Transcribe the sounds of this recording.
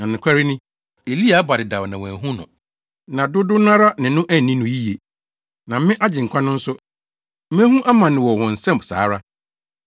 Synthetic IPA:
nã˨nɪ̃˨kʷʰa˦ɾi˦nɪ̃˦ | e˨li˦a˨˦ba˨dɪ˨da˨wnã˨wæ̃˨ɦũ˦nʊ̰̃˨ | nã˨dʊ˦dʊ˦nã˦ɾa˦nɪ̃˨nʊ̃˦ʔæ˦˨nĩ˦nʊ̃˨ji˦je˨ | nã˨m̩˦mɪ̃˦ʔa˦d͡ʑɪ̃˨ŋ̩˨kʷʰã˦nʊ̃˦n̩˦sʊ˦ | m̩˦mæ̃˦ɦũ˦ʔa˦mã˨nɪ̃˨wɔ˨hɔ̃˨n̩˨sɛ̃˦m˨sa̰ː˨˦ɾa˦

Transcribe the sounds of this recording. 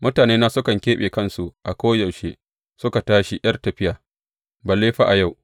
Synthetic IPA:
mʊ˦taː˨neː˦na˦sʊ˦kɐ˨ŋkʲeː˦ɓeː˨kɐ˦nsu˨ʔa˨kʷoː˦jɐ˨wʃe˦ | sʊ˦ka˨taː˦ʃi˨j̰ɐ˦rtɐ˨ɸɪ˦jaː˨ | ba˨leː˦ɸa˦ʔa˨ja˦˨w

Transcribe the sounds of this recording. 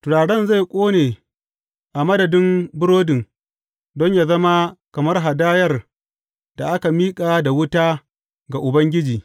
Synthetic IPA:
tʊ˨ɽaː˨ɽɛ˦˨nza˦˨jkʷʼoː˦neː˨ | ʔa˨mɐ˦dɐ˨dɪ˦mbʊ˦ɽoː˦dɪ˨ŋ | dɔ˦ɲjaː˨zɐ˦ma˦kɐ˨mɐ˦rɦa˨daː˦jɐ˦r | da˨ʔa˦ka˨miː˦kʼaː˨da˨wʊ˦taː˦ | ɡa˨ʔʊ˨bɐ˦ŋɡʲɪ˦d͡ʒiː˨

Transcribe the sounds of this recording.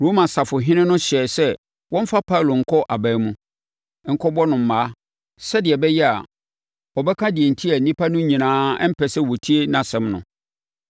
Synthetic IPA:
ɾo˦mã˨sa˨fʊ˨ɦɪ̃˦nɪ̃˦nʊ̃˦ɕɛ˨sɛ˦ | wʔɔ̃˦m̩˦fa˦pʰa˦˨lo˨ŋ̩˨kʰɔ˦ʔa˨bæ˨˦mũ˦ | ŋ̩˦kʰɔ˦bɔ˦nʊ̃˨m̩˨maː˨˦ | sɛ˦dɪ˨ɛ˨bɛ˦jɛ˦a̰˨ | ɔ˨bɛ˦kʰã˦dɪ˨e˨n̩˨tʰi˦ɛ˨n̩˨nĩ˦pʰa˦nʊ̃˦ɲĩ˨nãː˦ɛ˦m̩˦pʰɛ˨sɛ˦wo˨tʰi˦e˦nã˨sɛ̃˦mnʊ̰̃˨

